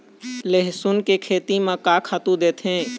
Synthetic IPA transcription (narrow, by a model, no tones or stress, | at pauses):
leɦsʊnkekʰeːt̪imãkaːkʰaːt̪ũd̪eːt̪ɦẽː